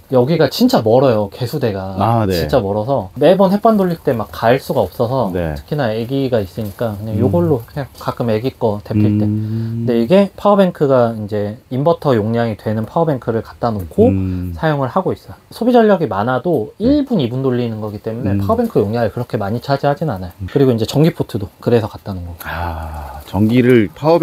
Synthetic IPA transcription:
jʌɡiɡat͡ɕint͡ɕ͈amʌɾʌjoke̞sʰude̞ɡaanit͡ɕ͈amʌɾʌsʰʌme̞bʌnɦwe̞p͈andoʎːiɭt͈e̞mak͈ːaɭs͈uɡaʌp̚s͈ʌsʰʌ̰tʰɯ̥kʰinae̞ɡiɡais͈ɯɲik͈akɯɲaŋjoɡʌɭːoekak͈ɯme̞ɡik͈ʌte̞pʰiɭt͈e̞kɯnde̞iɡe̞pʰaobe̞ŋkʰɯɡaind͡ʑe̞imbʌtʰʌjoŋɲaŋitwe̞nɯnpʰaɯbe̞ŋkʰɯɾɯɭkḁt̚t͈anokʰosʰajoŋɯɭhaɡois͈ʌjsʰobid͡ʑʌʎːʌɡimanadoiɭbunibundoʎːinɯnɡʌɡit͈e̞mune̞pʰaɯbe̞ŋkʰɯjoŋɲaŋɯɭkɯɾʌkʰe̞maɲit͡ɕʰad͡ʑihad͡ʑinnanajokɯɾiɡoind͡ʑe̞t͡ɕʌŋɡipʰotʰɯdokɯɾe̞sʰʌkat̚t͈anɯnɡʌa | t͡ɕʌŋɡiɾɯɭpʰa

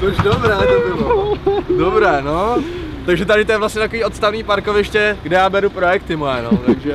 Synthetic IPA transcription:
tot͡ʃdobɾaːt̪ɛt̪om | dobɾɛːnot̪aɡʒɛt̪adɪt̪ojɛvlast̪ɲɛt̪ako̞viːo̞t̪st̪avniːpaɾkovɪʃcɛɡdɛjaːbɛɾupɾo̞jɛk̚t̪ɪmojɛnot̪aɡʒɛ

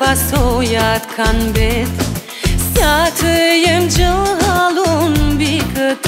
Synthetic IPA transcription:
asojat̪kʰanbɛt̪ | sjat̪ʰɯjemd͡ʒɯlˠɦalˠunbikʰɯt̪

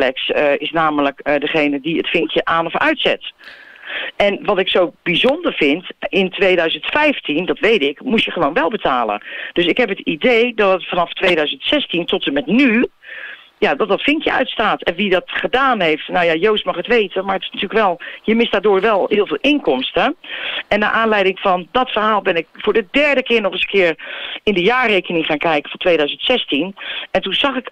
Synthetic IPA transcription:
lɛksəɪsnaːmələkdəχejnədiətfɪŋkjəʔaːnɔfœ̰ɥtsɛ̰t | ʔɛnʋɑtɪksowbizɔndəɹv̥ɪntɪntʋejdœɥzəntfɛjftʰindɔtʋejtɪkmutjəχəʋoːnʋɛlˠbətʰaːlə̰d̥øsɪkɦɛpətidejdɔtətfɑnɑftʋeːdœɥzəntsɛstintɔtəmɛtny | jadɔt̚dɔtfɪŋkjəœ̰ɥtstaːtɛnʋidɔtχədaːnɦeftnawjajowstmɑχətʋeːtəmaɹətɪ̥snatyːləkʋɛlˠjəmɪsd̥aːdʊːɹʋɛlˠɦhɪːlˠvɪːlˠʔɪŋkɔmstəɛnːa̰ʔaːnlɛjdɪŋfɔndɔtfərɦaːlˠbɪnɪkfʊːɹdədɛɹdəkɪːɹnɔχəskɪːəɹɪndəjaːrejkənɪŋχaːnkɛjkə̥fɔntʋeːdœɥzəntsɛstinɛntunzɑχɪk

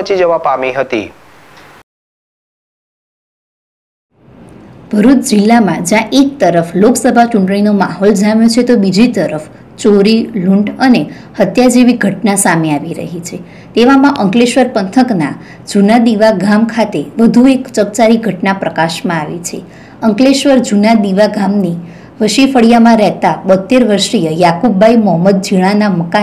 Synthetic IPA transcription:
t͡ʃid͡ʒəʋapamiɦət̪ḭ | b̥ʱəɾut̪d͡ʒilːamãd͡ʒjãʔek̚t̪əɾəfloksəbʱat͡ʃuɳʈɳ̃inomaɦold͡ʒamjot͡ʃʰet̪obid͡ʒit̪əɾəf | t͡ʃoɾiluɳʈəne | hət̪jad͡ʒeʋiɡʱəʈnasameaʋiɾə̰ɦit͡ʃʰe | t̪eʋamãʔəŋkleʃʋəɾpənt̪ʰəkna | d͡ʒunad̪iʋaɡʱamkʰat̪eʋəd̪ʱuekt͡ʃək̚t͡ʃaɾiɡʱəʈnapɾəkaʃmãaʋit͡ʃʰe | əŋkleʃʋəɾd͡ʒunad̪iʋaɡʱamni | ʋəʃifəɽjamãɾɛɦt̪abət̪ːeɾʋəɾʃɾijəjakubːaimɔɦəməd̪̚d͡ʒiɭ̃anaməka

